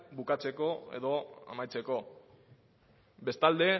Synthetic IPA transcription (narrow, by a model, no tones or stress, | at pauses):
bukat͡se̞ko̞ḛðo̞a̰majt͡seko̞ | be̞st̪ald̪e̞